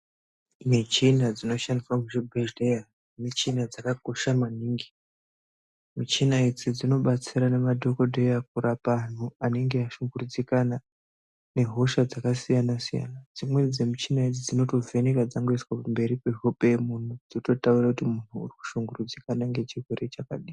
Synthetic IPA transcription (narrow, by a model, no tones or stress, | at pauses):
mit͡ʃinad͡zino̞ʃandiswamuʐebʱeʒdeja | mit͡ʃinad͡zakako̞ʃamaniːŋɡi | mit͡ʃinaid͡zid͡zino̞ɓat͡siɾane̞madʱo̞ko̞dʱejak̚uɾapan̤uane̞ŋɡe̞aʃuŋɡurud͡zikana | ne̞ɦo̞ʃad͡zakasijanasija̰nad͡zimwe̞d͡zemit͡ʃinaid͡zid͡zino̞to̞ve̞nekad͡zaŋɡoiswapumbe̞ɾikeʐopemun̤ud͡zoto̞taurakutimun̤uṵriku̥ʃuŋɡurud͡zikanaŋɡe̞t͡ʃiɦweɾe̞t͡ʃakaɗiː